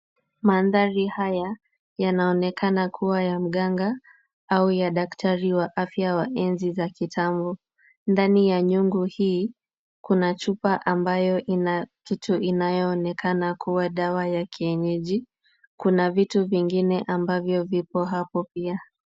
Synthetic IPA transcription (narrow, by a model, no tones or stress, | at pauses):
manðaɾihaja | janaɔnɛkʰanakʰuwajam̩ɠaŋɡa | aujaɗaktʰaɾiwaʔafjawaʔɛnzizakitʰambɔ | ndanijaɲuŋɡuhiː | kunat͡ʃupaʔambajɔʔinakituʔinajɔːnɛkʰanakuwaɗawajakʰiɛɲɛʄi | kunavituviŋɡinɛʔambavjɔvipɔɦapɔpia